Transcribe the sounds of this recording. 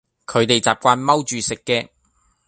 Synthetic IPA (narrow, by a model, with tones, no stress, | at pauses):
kʰɵ˨˧ɥt̪e˨jt͡saː˨p̚kʷaː˧nmɐ˥wt͡ʃyː˨sɪ˨kːɛː˧